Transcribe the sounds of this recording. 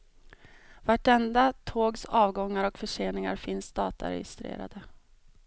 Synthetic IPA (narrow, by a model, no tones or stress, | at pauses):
vaʈɛnd̪at̪ʰoːɡsɑːvɡɔŋːaɾɔkfœʂeːnɪŋa̰ɾfɪnsd̪ɑːt̪ʰa̰ɾɛ̰jɪ̰st̪ɾḛːɾa̰d̪ə